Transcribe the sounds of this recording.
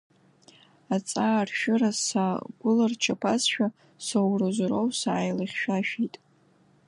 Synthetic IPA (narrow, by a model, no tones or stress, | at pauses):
at͡sʼaːrʃᶣɪrasaɡʷʊlart͡ʃʰapʰasʃᶣa | sowrɨzɾowsaːjlaχʲʃᶣaʃitʼ